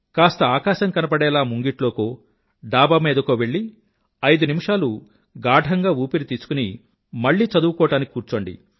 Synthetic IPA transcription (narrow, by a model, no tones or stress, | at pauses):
kaːst̪ɐaːkaːʃɐŋkɐnɐpɐɽɛːlaːmuŋɡiʈlo̞ːkoː | ɖaːbɐmeːd̪ɐkoːʋe̞ɭːi | ɐjd̪unimiʂaːlu | ɡaːɖʱɐŋɡaːuːpiɾit̪iːsu̥kuni | mɐɭːiːt͡ʃɐd̪uʋɐkɔːʈaːniki̥kuːɾt͡ʃo̞ːɳɖḭ